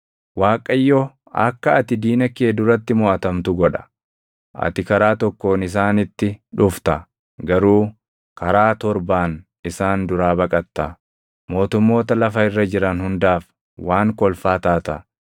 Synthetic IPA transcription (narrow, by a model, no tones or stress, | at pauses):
waːkʼɐjːɔ | ɐ̰kːɐɐt̪ɪd̪iːnɐkeːd̪ʊɾɐt̪ːɪmʊʔɐt̪ɐmt̪ʊɡɔᶑɐ̥ | ʔɐ̰t̪ɪkɐɾaːt̪ɔkːoːnɪs̬aːnɪt̪ːɪᶑʊft̪ɐ | ɡɐɾuː | kɐɾaːt̪ɔɾbaːn | ɪsaːnd̪ʊɾaːbɐkʼɐt̪ːɐ | mo̞ːt̪ʊmːo̞ːt̪ɐlɐfɐɪrːɐd͡ʒɪɾɐnhʊnd̪aːf | waːŋkɔlfaːt̪aːt̪ɐ